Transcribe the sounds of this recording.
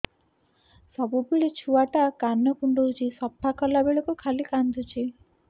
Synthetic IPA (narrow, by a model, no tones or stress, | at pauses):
sɔbupiɭit͡ʃʰuaʈakanːɔkuɳɖod͡ʒisɔpʰːakɔlabeɭɔkukʰalikand̪ut͡ʃʰi